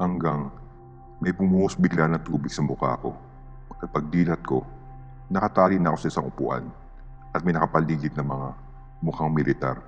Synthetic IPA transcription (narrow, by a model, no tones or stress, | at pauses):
hɐŋɡaŋ | mɐjpʊmuːʔosbɪɡlanɐŋt̪uːbɪɡ̥sɐmʊka̰ːko̞̰ | ʔɐt̪̚pɐɡ̚d̪iːlɐt̪̚ko̞ | nɐkɐt̪aːlɪnɐʔko̞sɐʔɪsaŋʔʊpʊ̰ʔa̰n | ʔɐt̪̚mɐjnɐkɐpɐliːɡɪt̪̚nɐŋmɐŋa | mʊkaŋmɪlɪt̪a̰ɾ